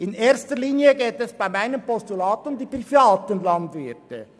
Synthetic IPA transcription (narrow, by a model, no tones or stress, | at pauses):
ɪneːɐstəliːnjəɡeːtɛsb̥aɪmaɪnəmpɔstulaːtʊmdiːpʁifaːtənlɑndvɪtə̰